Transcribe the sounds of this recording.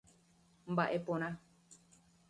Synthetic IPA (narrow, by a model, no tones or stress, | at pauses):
mbaʔe̞põɾ̃ã